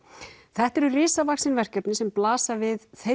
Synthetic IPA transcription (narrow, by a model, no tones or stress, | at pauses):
θɛht̪ɛɾʏrɪːsavaksɪnvɛr̥cɛpnɪsɛmplaːsavɪðθe